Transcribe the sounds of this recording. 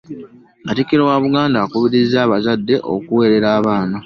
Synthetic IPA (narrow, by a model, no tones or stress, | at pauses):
atikiɾo̞waβuɡaːndaːkuβiɾizːaːβazadːe̞ʔo̞̰kuwe̞ːɾe̞ɾaːβaːna